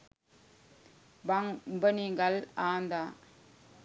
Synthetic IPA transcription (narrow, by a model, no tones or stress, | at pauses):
bɐŋbɐniŋɡɐlaːnd̪a